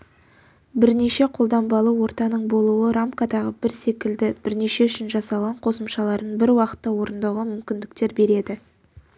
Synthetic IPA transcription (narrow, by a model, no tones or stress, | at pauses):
bɪɾne̞ʃe̞qʰo̞lˠd̪ɑmbɑlˠəwo̞ɾt̪ɑnəɴbo̞lˠuwəɾamkad̪ɑʁəbɪɾse̞kʲɪld̪ɪb̥ɪɾne̞ʃe̞ʏʃɪnʒɑsɑlˠʁɑɴqʰo̞səmʃɑlˠɑɾd̪əɴbɪɾwɑqə̥t̪ːɑwo̞ɾənd̪ɑwʁəmʏmkʲɪnd̪ɪkt̪e̞ɾbe̞ɾe̞d̪ɪ